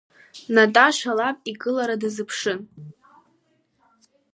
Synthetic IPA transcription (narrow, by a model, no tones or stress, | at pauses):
natʼaʃʷalapʼikʼɨlaɾadɨzɨpʰʂɨn